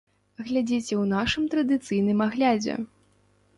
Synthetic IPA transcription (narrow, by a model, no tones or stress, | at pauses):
ɣlʲad͡zʲit͡sʲɛwnaʂɨmt̪ɾɐd̪ɨt̪sɨjnɨmaɣlʲad͡zʲɛ̰